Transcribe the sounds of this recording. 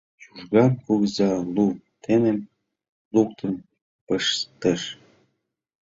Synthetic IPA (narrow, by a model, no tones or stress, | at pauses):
t͡ɕuʒɣɑmkuɣəzɑlu | t̪enem | luk̚t̪əm | pəʃt̪əʃ